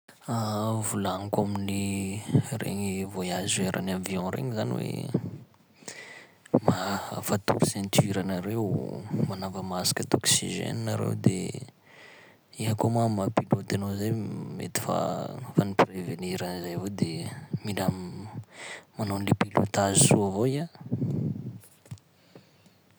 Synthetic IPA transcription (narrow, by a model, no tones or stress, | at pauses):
avulaŋikamini | rḛɲivoiazeɾʔa̰naviɔ̃ɾḛɲizaniwḛ | mafat̪ṵɾusɛ̃nt̪iɾanaɾewmanavəmasḁkət̪oksḭʒḛninaɾḛwd̪e | iɦakomamapilot̪anozajmḛt̪i̥fa̰fanipreveniɾanizajavod̪emilam | manonlepilot̪azisuavoia